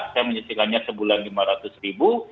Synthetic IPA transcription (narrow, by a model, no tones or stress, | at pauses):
sajaməɲət̪ikanɲasəbulanlimaɾat̪ʊsribu